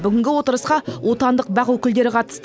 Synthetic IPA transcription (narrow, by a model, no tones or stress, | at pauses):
bʏɡʲɪŋɡʲɪwo̞t̪əɾəsqɑwʔo̞t̪ɑnd̪əq̚bɑʁwɵkʲɪld̪e̞ɾɪqʰɑt̪ə̥st̪